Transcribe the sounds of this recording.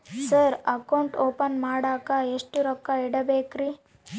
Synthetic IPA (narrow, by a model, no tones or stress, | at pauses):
sɐɾɐkɐwɳʈoːpɐnmaːɽaːkaeʂʈuɾɔkːaiɽɐbeːkɾi